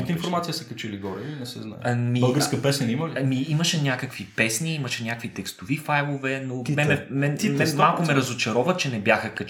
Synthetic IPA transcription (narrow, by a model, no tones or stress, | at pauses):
it̪əinfoɾmat̪ijəsɐkɐt͡ʃɛliɡɔɾɛinɛsɛ̰zna̰jmibəlˠɡəɾskəpɛsɛniməlimiimɐʃɛnʲakəkvipɛsniimɐʃɛnʲakvit̪ɛkst̪ovifajlˠovɛnomɛɛmɛnmɛmalˠkʊmɛɾɐzot͡ʃɐɾɔvət͡ʃɛnɛbjaxəkɐ